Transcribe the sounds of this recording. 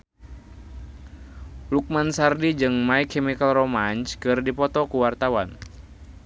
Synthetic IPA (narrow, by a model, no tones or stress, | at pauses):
luk̚mansardid͡ʒɨŋmaikʰːɛmikalromanskɨrdipɔt̪ɔkuwart̪awan